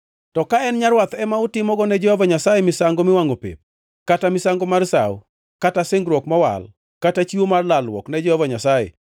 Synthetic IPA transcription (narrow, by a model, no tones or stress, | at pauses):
tɔkaɛnɲaɾwat̪ɛmautɪmɔɡɔnɛd͡ʒɔhɔvaɲasajɛmɪsaŋɡomɪwaŋopḛp̚ | katamɪsaŋɡomarsa̰w | katasɪŋɡɾɔkmɔwa̰l | katat͡ʃiwomarlalwɔ̰knɛd͡ʒɛhɔvaɲasajɛ̰